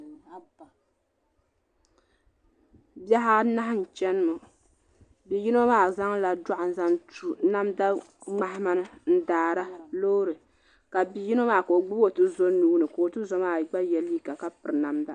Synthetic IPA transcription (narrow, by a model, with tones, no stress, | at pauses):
bja˦ɦa˦na˦ha˦n̩˨t͡ʃɛ˦nɨ˦mɨ˨ | bi˨ji˦no˦maː˦˨za˦ŋla˨da˦ʔa˨n̩˨za˦ntu˦na˦mda˦ | ŋ͡ma˦hɪ˦ma˦nɨ˦n̩˦daː˨ɾa˦lo˦ɾɨ˨ | ka˨bi˨ji˦no˦maː˦˨ko˨o˨ɡ͡bu˦bo˦˨tɨ˦zo˦nuː˦nɨ˨ko˨o˨tɨ˦zo˦maː˦˨ɡ͡ba˦jɛ˨li˦ka˨ka˦pɨ˨ɾɨ˨na˦mda̰˦